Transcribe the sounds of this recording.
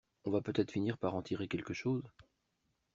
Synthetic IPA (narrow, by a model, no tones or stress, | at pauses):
ɔ̃vapøt̪ɛt̪χfiniʁpaʁɑ̃t̪ʰiʁekʲɛlkəʃoːz